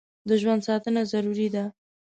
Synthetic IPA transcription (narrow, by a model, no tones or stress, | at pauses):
d̪əʒwand̪sɑt̪ənazaɾuɾid̪a